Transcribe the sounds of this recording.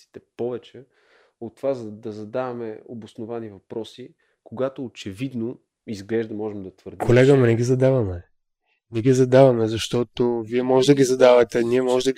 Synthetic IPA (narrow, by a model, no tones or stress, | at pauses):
si̥t̪ɛpɔvɛt͡ʃɛ | ot̪ːovazɐd̪ɐzɐd̪avɐmɛobosnovanivɐpɾɔsi | koɡat̪oːt͡ʃɛvid̪no | izɡlɛʒd̪ɐmɔʒɛmd̪ɐt̪vəɾd̪kʰolɛɡəmɛnɛɡʲizɐd̪avɐmɛ | nɛɡʲizɐd̪avɐmɛzɐʃt̪ɔt̪oviɛmɔʒɛd̪əɡʲizɐd̪avɐt̪ɛniɛmɔʒɛd̪ə